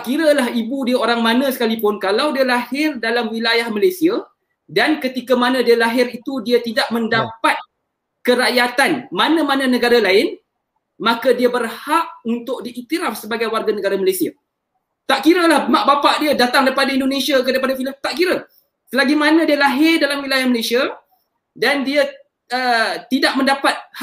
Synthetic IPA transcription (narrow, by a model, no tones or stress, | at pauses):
aʔkiɾalaɦibudiaoɾaŋmãnə̃sə̥kalipʊnkalawdialahɪrdalamwilajahməlajsia | dankət̪ikamanãdialaɦɪrit̪udiat̪idaʔmə̃ndapat̪̚ | kəɾaʔjat̪anmanãmanãnə̃ɡaɾalaɪn | makadiabərhaʔunt̪ʊk̚diʔit̪iɾaf̚səbaɡajwarɡanəɡaɾaməlesia | t̪aʔkiɾəlahmaʔbapaʔdiadat̪aŋdaɾipadaindonẽsiakdajpadafiləmt̪aʔkiɾa | səlaɡimanãdialaɦɪrdalamwilajahməlesia | dandia | ət̪idaʔ̚mə̃ndapat̪̚h